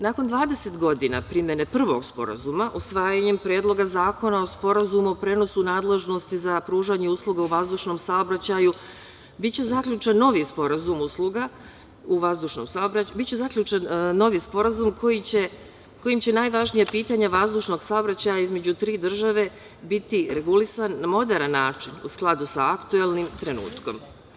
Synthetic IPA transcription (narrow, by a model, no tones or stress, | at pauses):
naːko̞nd̪ʋaːd̪e̞se̞t̪ɡo̞d̪ina̰pɾimje̞nepr̩ʋo̞̰ɡspo̞̰ɾa̰zumaʔusʋaːjaɲempɾeːd̪lˠo̞ɡazaːko̞nao̞spo̞ɾazumuopɾe̞no̞sunaːd̪le̞ʒno̞st̪izapɾuːʒaɲeuslˠuɡauʋazd̪uʃno̞msaobɾat͡ɕaju | bit̪t͡ɕe̞zakʎut͡ʃanːo̞ʋispo̞ɾazumuslˠuɡa | uʋazd̪uʃno̰msaobɾabit̪t͡ɕezakʎʲut͡ʃanːo̞ʋispo̞ɾazumkʰo̞jit͡ɕe | ko̞jimt͡ɕe̞najʋaʒnijapiːt̪aɲaʋazd̪uʃno̞ɡsaobɾat͡ɕaːjaizme̞d͡ʑut̪ɾiːd̪r̩ʒaʋe̞ | bit̪iɾe̞ɡulisannamo̞d̪eɾanːaːt͡ʃinṵsklˠad̪usaakt̪uelˠnimt̪ɾe̞nṵːt̪ko̞̰m